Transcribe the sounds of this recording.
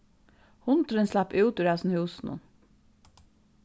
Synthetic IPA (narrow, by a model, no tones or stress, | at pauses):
hʊnt̪əɾənslæpʔʉːt̪ʉːɾæsn̩hʉːsn̩ʊ̰n